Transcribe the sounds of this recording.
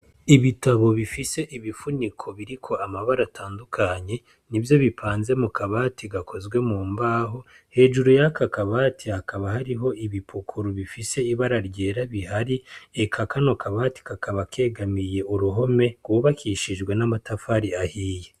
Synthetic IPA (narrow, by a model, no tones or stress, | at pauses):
iβitaβo̞βifise̞ʔiβifunikʰo̞βiɾikʰo̞ʔamaβaɾataːndukʰaɲe̞ | nivjo̞βipʰaːnze̞mukaβaːtiɡakʰo̞zɡwe̞muːmbaːɦo̞ | he̞ːʒuɾujakakaβaːtʰihakaβahaɾiɦo̞ʔiβipʰukʰuɾuβifise̞iβaɾaɾɟe̞ːɾaβihaɾiekʰakano̞kʰaβati̥kakʰaβakʰe̞ːɡamije̞ʔuɾuɦo̞me̞ɡwuβakʰiʃiʒɡwe̞namatafaːɾiahiːje